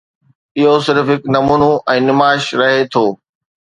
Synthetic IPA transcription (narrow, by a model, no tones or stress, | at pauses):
ɪɦosɪɾfɦɪknɐmuːnoʔɛ̃ːnɪmaːʃɾɐɦet̪ʰoː